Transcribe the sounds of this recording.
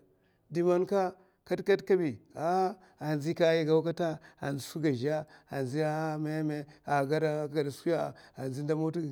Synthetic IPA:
di˨ma˦nka˦ | ka˦tka˦tka˦bi˨a˦ | a˨nzi˦ka˦ja˦ɡa˦ka˦ta˦a̰˨n˨i˦su˦ɡa˨ʒa˦a˨nzi˦a˦me˦me˦a˨ɡa˦da˦ɡa˨da˨su˦ja˦˨a˨nzi˦n˦da˦mo˦tu˦˨

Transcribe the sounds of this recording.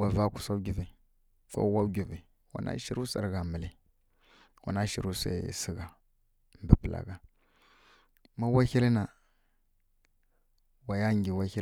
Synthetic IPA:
a˨va˦ku̥˨sa˦ɡi˨vi˨ | ko̰˦wa˦ɡi˨vi˨ | wa̰˨nʔa̰˦ʃi˨˦ɾu˦sa̰˨ɾɣa˨mə˨li˨ | wa̰˨na˦ʃi˨ɾu˦sa̰˨si˦ɡa˨ | mbə˨pə˨la̰˨ɡa˨ | ma˦wa˦çi˦lna˨ | wa˨ja˦ŋɡi˨wa˦çi˦

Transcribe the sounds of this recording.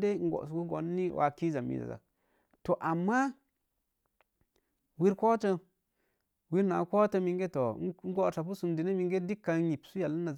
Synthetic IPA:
de˦ŋ̩˦ɡo̰˨su˨ku˦ɡo̰˨nːi˦wʔa̰˨ki˦za˨mḭ˨za̰˨za̰˨ | to˨ʔa˨mːa˦ | wi˦ɾko˦tə˦ | wi˦ɾna̰˨ko˦tə˧mi˨ŋɡe˦to˨˦ŋ̩˦ɡo˨ta˨pu˦su˨mdi˨ne˦mi˨ŋɡe˦di˦kːa˨˦ji˨psu˦ja˨lːna˨

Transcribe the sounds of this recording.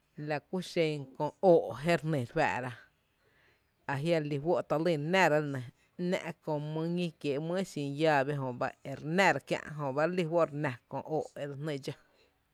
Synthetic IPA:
la˧ku˦ʃe˧kõ˧oː˨ʔɦe˦ɾnẽ˨ɾwæ̰ː˧˨ʔɾa˧ | a˨ɦja˧li˧wo˦ʔt̪a˧li˦˧˨ɾnɛ̃˦˨ɾa˦nẽ˨ | nɛ̰̃˦ʔkõ˧˨mə̃˧ŋĩ˦kjeː˨ʔmə̃˦sĩ˧˨jaː˦˧be˦ɦõ˨ba̰˦e˨ɾnæ̃˧ɾa˧kjã̰˧ʔɦõ˧˨ba˦ɾli˧wo˦ɾnã˨kõ̰˧˨ʔoː˨ʔe˧ɾa˧nẽ˧d͡ʒa˦

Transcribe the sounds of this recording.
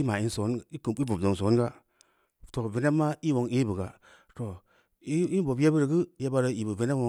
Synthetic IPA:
i˦ma˨i˦n˦so˨˦ni˦ku˨˦i˦bu˨bdo˨ŋ˨so˨˦ɡa˦ | to˨ve˨ne˦ma˦i˦wo˨ŋi˦bə˨ɡa˨ | to˨ | i˦i˦n˦bo˨bja˦bə˦ɾɡɨ˦ja˦ba˦ɾə˦i˨bu˨ve˨n˦e˦o˦

